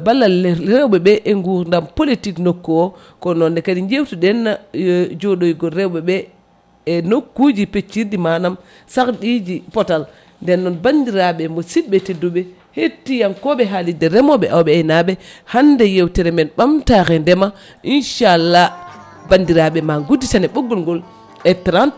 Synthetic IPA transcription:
balːalɾɛwɓɛɓɛʔɛŋɡuɾndampolitiknokːɔwɔ | kɔnɔndɛkadiɲd͡ʒewtuɗɛnːad͡ʒoɗojɡɔɾɛwɓɛɓɛː | nokːud͡ʒipet͡ʃːiɾdimanam | sakɗid͡ʒipɔtal | ndɛnːɔnbandiɾaɓɛmositɓɛtedːuɓɛ | hetːijankɔɓɛɦalidɛɾɛmɔɓɛʔawɓɛajnaɓɛhandɛjewtɛɾɛmɛnɓamtaxɛndɛma | ʔinʃalːa | bandiɾaɓɛmaɡudːitanɛɓoɡːɔlŋɡɔl | ɛtɾant

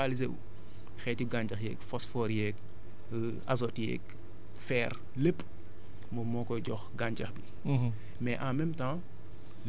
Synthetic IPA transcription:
alizeu | xɛːtiɡaɲd͡ʒɐxjɛːkfɔsfɔːɾjɛk | azɔtjɛ̰k | fɛːr | ləpː | mɔmɔːkɔɟɔxɡaɲd͡ʒɐxbi | mɛʔamɛmtã

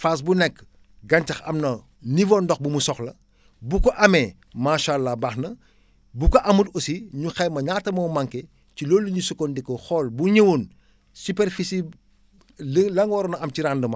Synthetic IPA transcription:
faːsbunɛkː | ɡɐntɐxɐ̰mnɐ | nivɔndɔx̚bumusɔxlɐ | bukɔʔɐmɛ | maːʃalːabaxnɐ | bukɔʔɐmutosiɲuxɐjmɐɲaːtɐmɔːmɐŋkɛ | cilɔlːuɲusukɔndikːɔxɔːlbuɲəwun | supɛrfisi | lɐŋwɔɾɔnɐɐmciɾandəmɐ

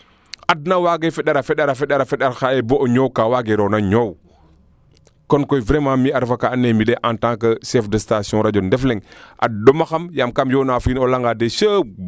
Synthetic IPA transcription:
ʔad̚nawaɡefɛɗaɾafɛɗaɾafɛɗaɾafɛɗaɾxaeboʔoɲowkawaɡeɾonaɲow | kɔnkɔjvɾemãːmiaɾfakanemileʔãntãːŋkɐsɛfdəstasiɔ̃ɾad͡ʒɔndɛflɛŋʔa̰domɐxɐmjamkamjonaːfinolaŋɡadeʃə

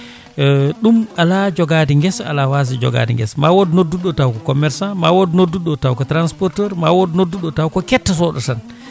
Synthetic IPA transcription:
ɗumalad͡ʒɔɡaːdiŋɡɛsa̰lawas̬id͡ʒɔ̰ɡa̰dḭŋɡɛ̰smawodnoduɗɔtawkɔkɔmɛɾsanmawodnodːuɗɔtawkɔtɾanspɔɾtɛɾmawodnodːuɗɔtawkɔkɛtːas̬ɔɗɔtan

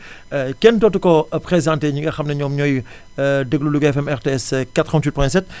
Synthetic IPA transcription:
kɛntɔtukɔpχezãnteɲiŋɡɐxɐmnɐɲɔːmɲɔj | dəɡluluɡɛfɛmɛʁteːɛskatɾɔ̃ntit̚pɔɛ̃sɛt̚

